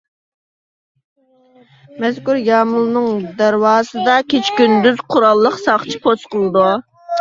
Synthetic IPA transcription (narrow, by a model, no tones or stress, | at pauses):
mɛzkʲuɾjɑːmulˠnɨŋd̪æɾwɑːsɨd̪ɑkʲʰet͡ʃkʲynd̪yz̥qʰʊɾɑlˠːəqsɑχt͡ʃʰi̥pʰot͡ʃ̪qəlˠɨd̪u